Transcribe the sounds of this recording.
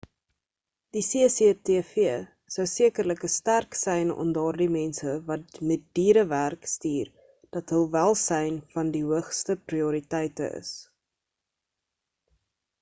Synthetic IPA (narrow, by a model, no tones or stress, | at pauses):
d̥iseəseteːfiə | səwsiəkərləkəstærksɛjnɔ̰mdɑːrdimɛnsəvɐtmɛt̚d̥iːɾəværkstiːr | d̥ɐtɦəlˠvælˠsɛjnfɐndiɦuəχstəpriuɾitɛjtə̰ʔə̰s